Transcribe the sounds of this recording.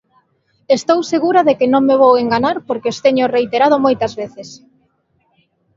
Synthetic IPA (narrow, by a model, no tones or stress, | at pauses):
est̪owseɣuɾaðekɪnõŋmeβoweŋɡaɲaɾpoɾkeost̪eɲorejt̪eɾað̞omojt̪ɐzβeθes